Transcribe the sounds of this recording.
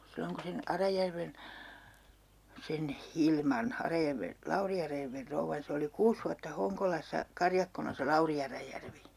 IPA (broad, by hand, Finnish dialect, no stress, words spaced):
silːoŋ kun̞ sen ɑrɑjærʋen sen hilmɑn ɑrɑjærʋen lɑuri ɑrɑjærʋer rouʋːɑn se oli kuːs ʋuɑtːɑ hoŋkolɑsˑɑ kɑrjɑkːonɑ se lɑuri ɑrɑjærʋi